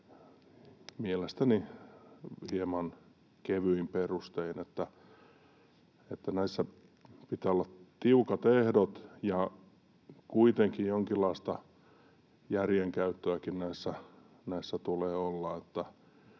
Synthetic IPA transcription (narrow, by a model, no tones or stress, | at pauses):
mielest̪æni | hiemɑn | keʋyimperust̪einet̪ːæ | et̪ːænæisːæ | pit̪æːolːɑtt̪iukɑt̪ehdot̪jɑ | kuit̪eŋkijoŋkilːɑist̪ɑ | jærjeŋkæyt̪ːøækinnæisːæ | næisːæt̪uleːolːɑet̪ːæ